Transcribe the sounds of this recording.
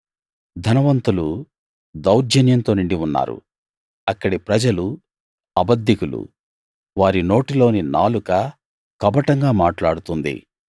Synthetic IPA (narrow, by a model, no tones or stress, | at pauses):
d̪ʱɐnɐʋɐnt̪ulu | d̪ɐwɾd͡ʒɐnjɐnt̪oːnuɳɖiunːa̰ːɾṵ | ɐkːɐɽipɾɐd͡ʒɐlu | ɐbɐd̪ːjikulṵ | ʋaːɾino̞ːʈilo̞ːninaːlukɐ | kɐbɐʈɐŋɡaːmaːʈlaːɽut̪und̪ḭ